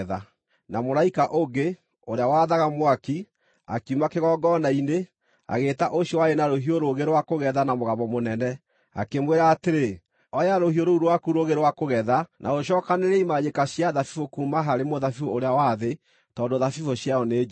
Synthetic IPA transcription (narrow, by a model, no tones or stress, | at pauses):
ða | namoɾaikaʔoŋɡe | oɾeawaðaɣamwaki | a̰kiumakeɣɔːɡɔnaine | a̰ɣeːtaʔoɕjɔwaenaɾoɦioɾoɣeɾowakoɣɛðanamoɣaβɔmonɛnɛ | a̰kemweɾaːteɾe | ɔjaɾohioɾouɾowakuɾoɣeɾewakoɣɛðanʔa̰ɣoʃɔːkaneɾeimaɲekaɕijaðafifokuːmaɦaɾemoðafifooɾeawaðe | tɔːndoðafifoɕjaɔneː